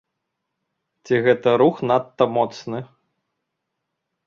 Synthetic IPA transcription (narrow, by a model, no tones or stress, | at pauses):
t͡sʲiɣɛt̪ɐɾuxnat̪ːɐmɔt̪snɨ